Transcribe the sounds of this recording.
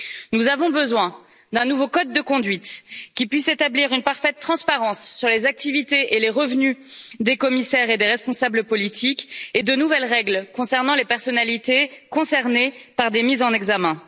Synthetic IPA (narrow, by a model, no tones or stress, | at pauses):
nuzavɔ̃bəzwɛ̃ | d̪ɛ̃nuvokɔd̪ːəkɔ̃d̪ɥit̪kʲipɥiset̪abliʁynpaʁfɛt̪̚ːχɑ̃spaʁɑ̃sːyʁlezak̚t̪ivit̪eʔeleʁəvnyd̪ekɔmisɛʁed̪eʁɛspɔ̃sabləpɔlit̪ʰiked̪ənuvɛlʁɛɡlkɔ̃sɛʁnɑ̃lepɛʁsɔnalit̪ekɔ̃sɛʁnepaʁd̪emizɑ̃nɛɡzamɛ̃